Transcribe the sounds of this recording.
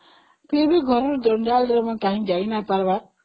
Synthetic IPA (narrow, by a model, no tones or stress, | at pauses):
pebiɡʱɔɾɾud̪ɔɳɖaːld̪ɾɔmãkãɦĩd͡ʒainapaɾba